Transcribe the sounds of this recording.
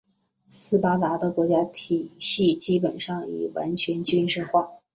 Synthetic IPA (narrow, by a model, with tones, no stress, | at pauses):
sɹ̩˥pa˥t̪a˧˥d̪ə˧kwɔ˧˥t͡ɕja˥t̪ʰi˨˩ɕi˥˩t͡ɕi˥pə˨˩nʂɑ˥˩ŋḭ˨˩wa̰˧˥nt͡ɕʰɥɛ˧˥nt͡ɕy˥nʂɻ̩˥˧xwa˥˩